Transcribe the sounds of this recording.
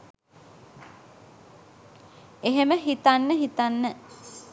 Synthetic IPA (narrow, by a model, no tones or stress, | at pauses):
eɦeməɦit̪anːəɦit̪anːə